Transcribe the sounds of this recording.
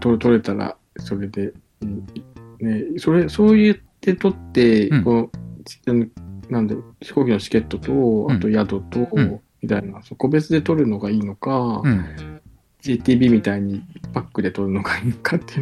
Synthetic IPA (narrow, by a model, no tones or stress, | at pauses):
t̪o̞ɾt̪o̞ɾe̞t̪aɾa̰ | so̞ɾe̞d̪e̞ | iːne̞so̞ɾe̞so̞ːjɯt̪ːe̞t̪o̞t̪ːe̞kot͡ɕi̥anonãnd̪aɾoçi̥ko̞ːkʲino̞t͡ɕi̥ke̞t̪ːo̞t̪o̞at̪o̞jad̪o̞t̪o̞mʲit̪ainasoko̞be̞t͡sɨd̪e̞t̪o̞ɾɯ̟no̞ɡaiːno̞ka | d͡ʑeːt̪ʲiːbʲiːmʲit̪aiɲ̟ipakːɯ̟d̪e̞t̪o̞ɾɯ̟no̞ɡaiːnokʰat̪ːe